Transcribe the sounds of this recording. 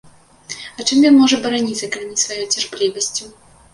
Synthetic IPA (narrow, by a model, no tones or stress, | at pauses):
ɐt͡ʂɨmjʲɔnmɔʐɛbɐɾanʲit̪sɐkalmʲisvajɔjt͡sʲarplʲivɐsʲt͡sʲu